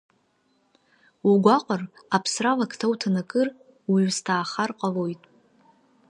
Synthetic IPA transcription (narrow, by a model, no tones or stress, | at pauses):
uɡʷaqʷʼʊrapʰsralakʰtʰawtʰanakʼɨr | wistʰaːχarqʼalo̞jtʼ